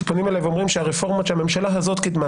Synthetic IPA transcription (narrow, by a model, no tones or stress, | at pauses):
ponimelajveomʁimʃeaʁefo̞ʁmaʃeamemʃalaɦazo̞t̪kid̪ma